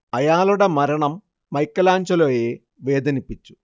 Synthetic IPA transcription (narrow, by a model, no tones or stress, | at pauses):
ɐjaːluɽɐmɐɾɐɳɐmː | ɐjkːɐlaːɲt͡ʃɐloːjeː | ʋeːd̪ɐnipːit͡ʃːu̥